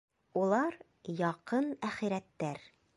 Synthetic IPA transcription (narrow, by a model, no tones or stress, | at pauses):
ulˠɑɾ | jɒqɤnæχiɾæt̪ːæɾ